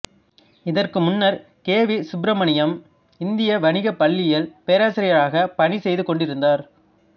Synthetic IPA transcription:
ɪðɐrkɯmʊnːɐɾ | keːʋɪsʊbɾɐmɐɳɪjɐm | ɪnd̪ɪjɐʋɐnɪɣɐpːɐɭːɪjɪlpeːɾaːsɪɾɪjɐɭaːɣɐpɐɳisɛjðɯkɔɳɖɪɾɯnd̪aːɾ

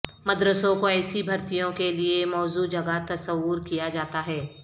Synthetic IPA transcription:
mɐd̪ɾəsõkoɛːsibʱɐɾt̪ijõkeliemɔːzud͡ʒɐɡat̪ɐsəwʊɾkijad͡ʒaːt̪aɦɛː

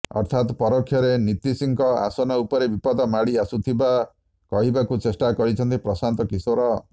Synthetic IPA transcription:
ɔ̰ɾt̪ʰat̪pɔɾɔkʰːjɔɾenit̪isiŋkɔa̰sɔnɔupɔɾebipɔd̪ɔmaɽiasut̪ʰiba | kɔɦibakut͡ʃesʈakɔɾit͡ʃʰɔnt̪ipɾɔsant̪ɔkisoɾɔ

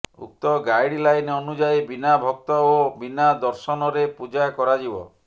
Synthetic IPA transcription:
ṵk̚t̪ɔɡajɽilajneɔnud͡ʒajbinabʱɔk̚t̪ɔobinad̪ɔɾsɔnɔɾepud͡ʒajkɔɾad͡ʒibɔ̰

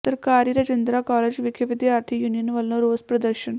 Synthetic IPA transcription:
t̪ɐɾkaːɾiɾɐd͡ʒend̪ɾakɔːled͡ʑʋikʰɐʋid̪iaːɾt̪ʰijuːnijənʋɐlnoɾoːspɾɐd̪əɾɕən

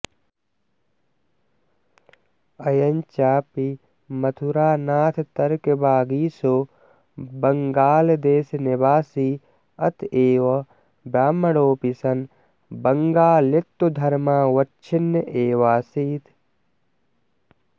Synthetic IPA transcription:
ɐjɐɲt͡ʃaːpi | mɐt̪ʰuɾaːnaːt̪ʰt̪ɐɾkebaːɡiːsoː | bɐŋɡaːld̪eːsnibaːsi | ɐt̪ʰeːʋɐ | bjaːmɐɽoːpisɐn | bɐŋɡaːlet̪ːud̪ʱɐɾmaːwɐtːt͡ʃʰinːɐʔeːʋaːsiːt̪ʰ

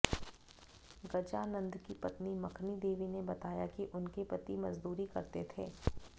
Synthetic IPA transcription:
ɡɐd͡ʒaːnɐ̃nd̪kipɐt̪nimɐkʰnid̪eːʋinebɐt̪aːjakiʔʊnkepɐt̪imɐzd̪uːɾikɐɾt̪et̪ʰeː

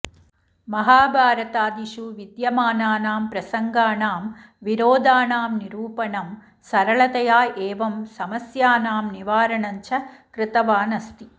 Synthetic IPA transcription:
mɐɦaːbʱaːɾɐt̪aːd̪iʃuʋid̪jɐmaːnaːnaːmpɾɐsɐŋɡaːnaːm | ʋiɾoːd̪aːnaːmniɾuːpɐnɐm | sɐɾɐɭɐt̪ɐjaːʔeːʋɐmsɐmɐsjaːnaːmniʋaːɾɐɳɐɲt͡ʃʰɐkɾɪt̪ɐʋaːnɐst̪i

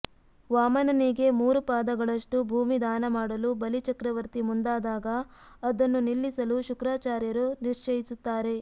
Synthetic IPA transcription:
ʋaːmɐnɐniɡe̞muːɾupaːd̪ɐɡɐɭɐʂʈubʱuːmid̪aːnɐmaːɽɐlubɐlit͡ʃɐkɾɐʋɐɾt̪imund̪aːd̪aːɡɐːd̪ɐnːunilːisɐluʃukɾaːt͡ʃaːɾjɐɾuniɾt͡ʃɐjisut̪ːaːɾe̞

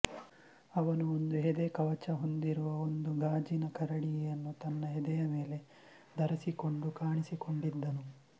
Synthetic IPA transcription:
ɐʋɐnuond̪uɦɛd̪ekɐʋɐt͡ʃɐɦo̞nd̪iɾuʋɐond̪uɡaːd͡ʒinɐkɐɾɐɽijɐnːut̪ɐnːɐɦɛd̪ɛjɐme̞ːle̞ | d̪ɐɾɐsiko̞ɳɖukaːɳisiko̞ɳɖid̪ːɐnu

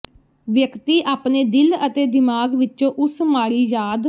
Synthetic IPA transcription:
ʋjəkt̪iːʔaːpneːd̪ɪlət̪eːd̪ɪmaːɡʋɪt͡ʃõːʔʊsmaːɾiːjaːd̪

